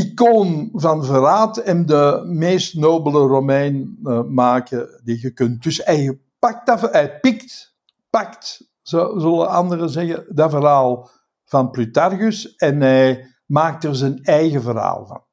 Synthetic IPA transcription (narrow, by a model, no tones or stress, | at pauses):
ikoːnvɑnvəɾaːtɛndəmeːstnoːbələromɛjnmaːkədiɣəkʏnt̚d̥ʏsɛj | pak̚tafɛjpɪkt | pakt | zɔzʏlˠəɑnd̪ərəzɛɣədavəɾɦaːlˠ | v̥ɑnplytarɣʏsɛnɦɛj | maːk̚tərzɛnɛjɣəvərɦa̰ːlˠvɑ̰n